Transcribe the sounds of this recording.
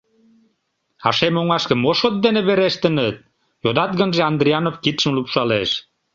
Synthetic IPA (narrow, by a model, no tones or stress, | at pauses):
ɑ̰ʃemoŋɑʃkə̆moʃot̪̚d̪eneβeɾeʃt̪ə̆nət̪̚ | jod̪ɑt̪̚ɡənʒeɑnd̪ɾiɑnofkit̪ʃəmlupʃɑleʃ